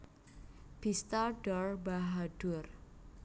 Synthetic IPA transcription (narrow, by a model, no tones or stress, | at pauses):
b̥ist̪aɖɔrbaɦaɖ̥ur